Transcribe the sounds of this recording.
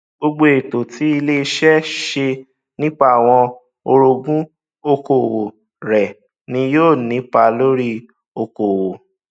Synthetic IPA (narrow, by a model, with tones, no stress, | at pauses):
ɡ͡bo˧ɡ͡bo˦e˨to˨ti˨˦i˧le˦i˧ʃɛ˦ʃe˧ | nĩ˦k͡pa˦a˨w̃ɔ̃˧ | o˧ɾo˧ɡũ˦ | o˧ko˨wo˨ | ɾɛ˨ | nĩ˧joː˦˨nĩ˨˦pa˧lo˦ɾi˦ | o˧ko˨wo˨